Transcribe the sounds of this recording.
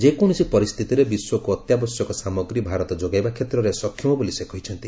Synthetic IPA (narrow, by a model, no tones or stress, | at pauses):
d͡ʒekɔɽ̃ɔsipɔɾist̪ʰit̪iɾebiswɔkuɔt̪jabɔsjɔkɔsamɔɡɾibʱaɾɔt̪ɔd͡ʒoɡajbakʰet̪ɾɔɾesɔkʰːjɔmɔbolisekʰɔɦit͡ʃʰɔnt̪i